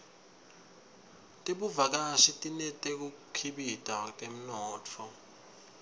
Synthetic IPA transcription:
tʼeɓuvak̬aʃitʼinɛtʼek̬ukʰiɓitʼatʼem̩nɔːtʰɔ

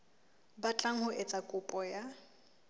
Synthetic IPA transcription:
bat͡ɬʼaŋ̩hʊʔet͡sʼakʼʊpʼɔja

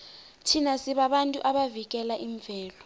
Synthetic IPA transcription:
tʰinasiɓaɓantʼuʔaɓavik̬ɛlaʔiɱvʱɛːlɔ

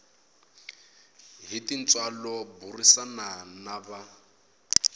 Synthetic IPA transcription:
ɦitin̩t͡sʼwalɔburisananaba

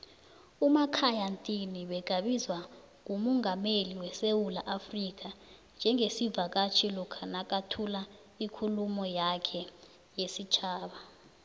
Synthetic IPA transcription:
umakʰajantʼiniɓɛɡ̥ʱaɓizwa | ŋ̬umɔŋameliwɛsewulaʔafrik̬ʼa | nd͡ʒʱɛŋesivak̬ʼat͡ʃʰilɔkʰanak̬ʼatʰula | ikʰulumɔjakʰɛ | jesit͡ʃʰaːɓa

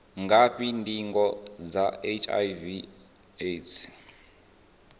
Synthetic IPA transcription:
ŋɡʱaɸindiŋɡɔd͡zaet͡ʃʰʼa̰jvi | etʰ

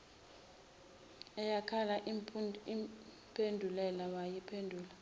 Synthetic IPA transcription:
ɛjakʰala | i | pʰendʱulɛlawajipʰendʱuːla

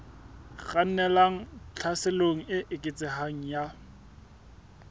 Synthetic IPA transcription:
ɣan̩nɛlaŋ̩t͡ɬʰasɪloŋ̩ɪʔɪkʼɪt͡sʼɪhaŋ̩ja

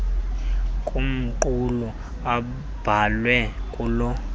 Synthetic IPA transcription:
kʼum̩ǃulu | a | b̥ʱalwɛkʼulɔ

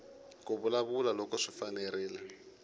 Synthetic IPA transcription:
k̬ʼoβulaβulalɔkɔʂifanɛriːlɛ

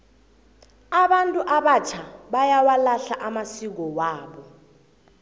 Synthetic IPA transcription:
aɓantʼuʔaɓat͡ʃʰaɓajawalaɬaʔamasik̬ɔwaːɓɔ

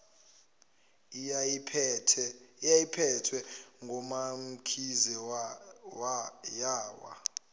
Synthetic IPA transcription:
ajipʰɛtʰwɛŋɡʱɔmam̩kʰizɛ | wjaːwa̰

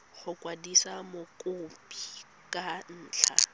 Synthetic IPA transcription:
χʊkʼwadisamokʼʊpʰʼi | kʼan̩ːt͡ɬʰa̰

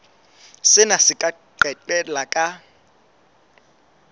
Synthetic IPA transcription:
sɪnasɪkʼa | ǃɛǃɛlakʼa

